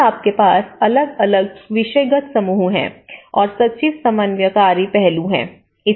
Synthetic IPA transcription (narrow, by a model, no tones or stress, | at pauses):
aːp̚kepaːsɐləɡɐləɡ̚ʋɪʃəjɡət̪sɐmuːɦuɦɛ̰̃ːɔːɾsɐtʃiːʋsɐmənʋjəkaːɾipɛɦluɦɛ̰̃ː | ɪ